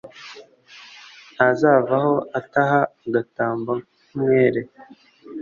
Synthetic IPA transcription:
azaːvaho̞ataɦaɡataːmbakumŋweːɾe

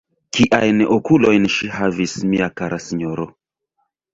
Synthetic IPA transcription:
kiʔajnokulo̞jnʃiɦavismiakaɾʔasiɲoɾo

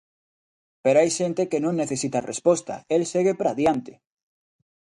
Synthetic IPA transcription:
peɾoajʃent̪ekenũŋːeθesit̪arespost̪a̰elseɣepɾaðjant̪e

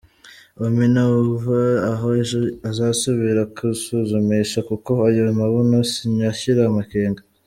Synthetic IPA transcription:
ominauvaaɦoazaːsuβiɾakʰusuzumiʃakuko̞ajamaβunosiɲaçiɾamakeːŋɡa

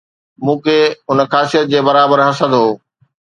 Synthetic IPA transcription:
mũːkʰeːɦʊnəxaːsijət̪̚d͡ʑeːbɐɾaːbəɾɦɐsəd̪ɦoː

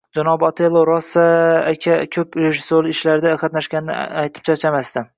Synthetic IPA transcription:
d͡ʒanɒbɒt̪ʰelˠːoɾɒsaːkʲʰakʲʰɵpɾeʒɪsoɾɪʃlaɾɪd̪aqʰɑt̪naʃɡʲanɪnɪ̰ajt̪ʰɪ̥p̚t͡ʃʰat͡ʃʰamast̪ɪ

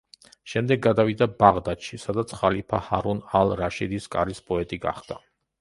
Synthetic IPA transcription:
ʃɛmd̪ɛɡ̚ːad̪avid̪abaʁd̪at̪ʃisad̪at̪sʰχalipʰahaɾunalˠɾaʃid̪iskʼa̰ɾispʼɔɛt̪ʼiɡa̰χd̪a

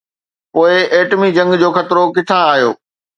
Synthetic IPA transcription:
poːɪeːʈmid͡ʑɐ̃ŋɡd͡ʑoːxɐt̪ɪɾokɪt̪ʰãaːɦijo̰ː

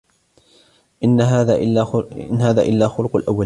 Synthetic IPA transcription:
ʔɪnːaɦaaʔanɦaːða̰ːʔɪlːaːxʊlʊqʊlʔawːal

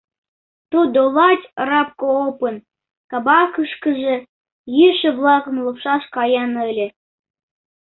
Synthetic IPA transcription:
t̪ud̪olɑtʲrɑp̚koopə̆n | kɑbɑkəʃkə̆ʒĕ | jiʃĕblˠɑɣə̆mlˠupʃɑʃkɑjɑnɤ̆lʲĕ

